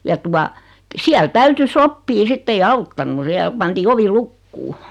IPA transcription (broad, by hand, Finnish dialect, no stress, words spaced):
jɑ tuɑ siæl tæytyː sopːiː sitː ei ɑutːɑnːu siæl pɑntiː oʋi lukːuː